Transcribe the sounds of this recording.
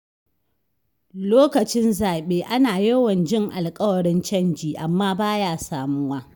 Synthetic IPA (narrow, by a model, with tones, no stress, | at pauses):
loː˦kɐ˨t͡ʃɪ˦nzaː˨ɓeː˦ʔa˦naː˨jɐ˦wɐ˨nd͡ʒɪ˦ŋʔa̰˨lkʼɐ˦wɐ˨ɽɪ˦nt͡ʃɐ˦˨nd͡ʒiː˨ʔa˨mːaː˦baː˦jaː˦saː˨mʊ˦waː˦